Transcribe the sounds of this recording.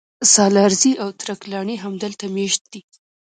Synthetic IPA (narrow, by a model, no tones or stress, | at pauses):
sɑlɑɾziʔawt̪ɾaklɑɳiɦamd̪əlt̪ameʃt̪̚d̪̥i